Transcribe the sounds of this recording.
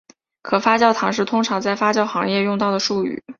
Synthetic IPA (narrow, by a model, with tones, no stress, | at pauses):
kʰɤ˨˩fa˥t͡ɕjɑ˥˩ʊt̪ʰɑ˧˥ŋʂ̬ɻ̩˥˩t̪ʰʊ˥ŋʈ͡ʂʰɑ˧˥ŋt͡sa˥˩ɪfa˥t͡ɕjɑ˥˩ʊxɑ˧˥ŋjɛ˥˧jʊ˥˧ŋt̪ɑ˥˩ʊd̪ə˩ʂu˥˩y̰˨˩˦